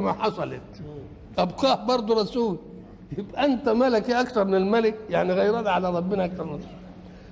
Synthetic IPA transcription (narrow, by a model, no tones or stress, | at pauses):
mæħɑsˤɑlet̪̚ | ʔæbqɑːhbɑɾˤd̪ˤuɾˤɑsuːli | jɪbæʔænt̪æmælækiʔækt̪ɑɾˤmɪnɪlmælɪkjaʕniɣæjɾɑːd̪ʕalæɾˤɑbːɪnæʔæk̚t̪ɑɾˤmɪnsˤɑ